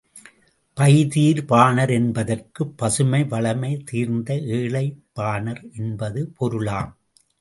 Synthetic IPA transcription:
pɐjðiːɾpaːnɐɾɛnbɐðɐrkɯpːɐsɯmɐɪʋɐɭɐmɐɪt̪iːɾnd̪ɐʔeːɭɐɪpːaːnɐɾɛnbɐðɯpɔɾɯɭaːm

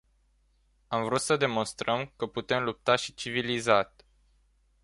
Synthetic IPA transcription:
amvɾut̪səd̪e̞mo̞nst̪ɾəmkəput̪e̞mlup̚t̪aʃit͡ʃivilizat̪ʲ

